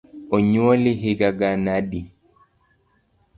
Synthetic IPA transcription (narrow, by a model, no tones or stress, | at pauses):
oɲwɔliɦeɡaɡanaɗi